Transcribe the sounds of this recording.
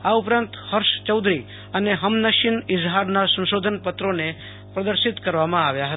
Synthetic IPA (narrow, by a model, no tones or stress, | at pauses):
aupɾãnt̪həɾʃt͡ʃəwd̪ʱɾi | əneɦəmnəʃɪnɪzɦaɾnasə̃nʃod̪ʱənpət̪ɾone | pɾəd̪əɾʃɪt̪kəɾʋamãaʋjaɦət̪